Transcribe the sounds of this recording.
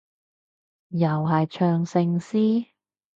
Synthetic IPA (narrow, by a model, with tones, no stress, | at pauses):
jɐ˨˩whɐ˨jt͡ʃʰœː˧ŋsɪ˧ŋsiː˥